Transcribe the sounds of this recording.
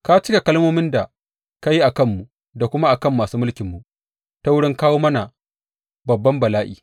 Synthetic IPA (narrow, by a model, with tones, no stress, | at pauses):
ka˦t͡ʃɪ˦ka˨kɐ˦lmoː˦mɪ˦nda˨ | ka˦ji˦ʔa˨kɐ˦˨mːu˨ | da˨kʷʊ˦ma˦ʔa˨kɐ˦˨mːaː˨suː˦mʊ˦lkʲɪ˨mːu˨ | ta˦wʊ˦ɽɪ˦ŋkaː˦woː˦mɐ˦na˨ | bɐ˨bːɐ˦mbɐ˨laː˦ʔḭː˨